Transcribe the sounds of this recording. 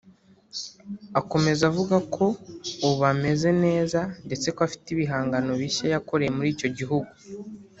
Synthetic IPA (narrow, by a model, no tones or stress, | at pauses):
ako̞me̞zavuɡakʰo̞uβame̞ze̞ne̞ːzande̞t͡se̞koafi̥tiβiɦaːŋɡano̞βiʃajako̞ɾe̞jemuɾiːco̞ɟiɦuɡu